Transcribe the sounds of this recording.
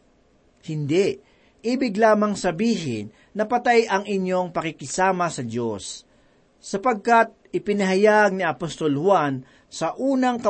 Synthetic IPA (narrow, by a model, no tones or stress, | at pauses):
hɪnd̪ɛʔ | ʔiːbɪɡlaːmɐŋsɐbiːɦɪ̰nːɐpɐt̪ajɐŋɪɲjo̞ŋpɐkɪkɪsaːmɐsɐd̪osː | ɐpɐɡ̚kat̪̚ɪpɪnɐɦajaɡ̚niɐpost̪olhwan | sɐʔuːnɐŋkɐ